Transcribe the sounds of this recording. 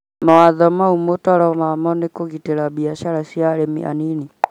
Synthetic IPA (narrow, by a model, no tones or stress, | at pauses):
mawaðɔmaumotɔɾɔmamɔnekoɣiteɾabiaʃaɾaʃiaɾemḭʔa̰nini